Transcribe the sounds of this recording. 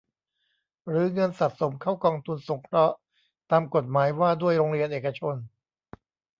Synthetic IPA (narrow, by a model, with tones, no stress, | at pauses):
ɾɯː˩˦ŋɤ˧nsa˨˩t̪̚so˩˦mkʰaː˥˩wkɔː˧ŋt̪ʰu˧nso˩˦ŋkʰɾɔ˦˥ʔ | t̪aː˧mko˨˩t̪̚maː˩˦jwaː˥˩du˥˩əjɾoː˧ŋɾi˧ənʔeː˨˩ka˧t͡ɕʰo˧n